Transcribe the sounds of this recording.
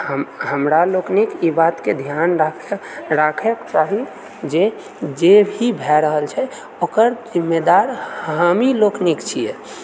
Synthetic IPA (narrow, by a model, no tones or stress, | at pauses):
ɦəmɦəmɾaloknikibat̪ked̪ʱjanɾakʰɾakʰekt͡ʃaɦi | d͡ʒe | d͡ʒebʱibʱɛɾəɦəlt͡ʃʰɛ | okəɾd͡ʒimːed̪aɾhamiloknikt͡ʃʰije